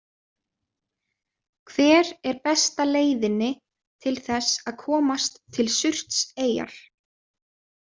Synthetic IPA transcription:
kʰvɛːɾɛɾpɛst̪aleːjðɪnːɪ | t̪ʰɪlθɛsaðkʰɔːmast̪ʰːɪlsʏr̥t̪seːja̰ɾ̥

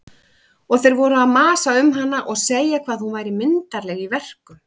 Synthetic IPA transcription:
ɔɣθejɾvɔɾʏaðmaːsaʏmɦanːaʔɔɣseːjakʰv̥aːðhunvaːjɾɪmɪnt̪aɾlɛɣivɛr̥kʏm

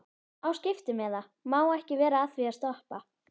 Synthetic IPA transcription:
awscɪft̪ɪmɛða | maːwɛhcɪvɛːɾaaðviast̪ɔhpa

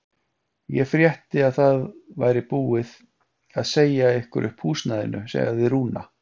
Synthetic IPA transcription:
jɛfɾjɛht̪ɪaðθaðva̰jɾɪpuːɪð | aðseːjaehkʏ̰ɾʔʏhphuːsnaðɪ̰nʏ̰sɛ̰ːɣaðɪɾuːna̰

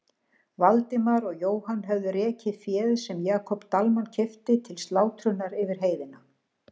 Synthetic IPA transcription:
valt̪ɪmaɾɔɣjoːwhanːɦœvðʏɾɛːcɪfjɛːðsɛmjaːkʰɔpt̪almancʰɪft̪ɪt̪ʰɪlst̪laːwt̪ʰɾʏnaɾɪvɪɾ̥ɦeːjðɪna

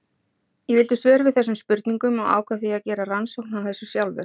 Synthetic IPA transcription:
jɛvɪlt̪ʏst̪vɛːɾvɪðθɛsːʏmspʏɾt̪niŋkʏmɔɣa̰ːwkʰvaθiaðcɛːɾaransowknawθɛsːʏsjawlvɪ̰

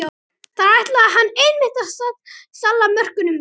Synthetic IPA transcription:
θaɾajht̪laːɦanːejnmɪht̪aɾsat̪salːamœr̥kʏnʏm

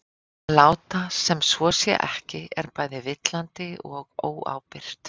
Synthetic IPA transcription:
laːwt̪asɛmsvɔsjɛ̰ʔɛhcɪɛɾpaːjðɪvɪt̪lant̪ɪɔɣoːwa̰ːwpɪr̥t̪

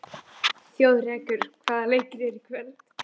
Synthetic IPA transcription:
θjoːwðɾɛːkʏɾ̥kʰvaːðalejcɪɾɛɾikʰvɛlt̪

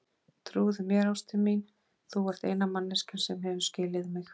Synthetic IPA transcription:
t̪ʰɾuːðʏmjɛɾawst̪ʰɪmin | θuvɔɾ̥t̪ejnamanːɪscɪnsɛmɦɛvʏ̥scɪːlɪðmɪx

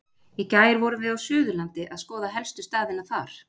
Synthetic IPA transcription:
icaːjɪɾvɔɾʏvɪðawsʏːðʏlant̪ɪʔaðskɔːðaɦɛlst̪ʏst̪aːðɪnaθaɾ̥

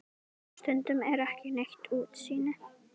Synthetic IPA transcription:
st̪ʏnt̪ʏmɛɾɛhcɪnɛxt̪uːt̪siːnɪ

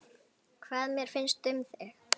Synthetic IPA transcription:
kʰvaːðmjɛɾ̥fɪnst̪ʏmθɛx

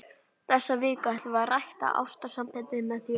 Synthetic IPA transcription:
θɛsːavɪːkaɛt̪lvarajht̪a̰ʔa̰wst̪asampɛlt̪ɪmɛðθi

